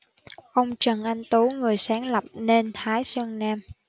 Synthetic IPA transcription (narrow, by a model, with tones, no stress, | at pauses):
ʔə˧wŋ͡mt͡ɕə˨˩nʔa˧jŋ̟t̪o˨˦ŋɨ˨˩əjsaː˨˦ŋlə˨˩p̚ne˧nt̪ʰaː˨˦jswɛ˧ŋnaː˧m